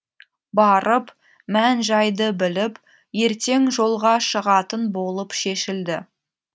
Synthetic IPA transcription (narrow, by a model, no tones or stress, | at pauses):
bɑɾəp | mænʒɑjd̪əbɪlɪp | je̞ɾt̪e̞ŋʒo̞lˠʁɑʃəʁɑt̪ənbo̞lˠəpʃe̞ʃɪld̪ɪ